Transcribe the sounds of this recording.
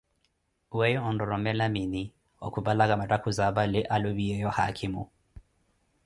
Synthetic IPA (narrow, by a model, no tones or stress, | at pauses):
wɛjɔɔndɔɾɔmɛlamini | ɔ̰kubalaɣamatakuzaβalɛʔaluβiɛjɔha̰kʰimṵ